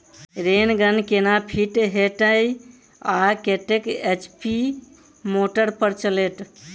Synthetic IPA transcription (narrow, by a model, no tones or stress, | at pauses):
ɾenɡənkenapʰiʈɦeʈəj | akeʈeket͡ʃpi | moʈəɾpəɾt͡ʃəleʈ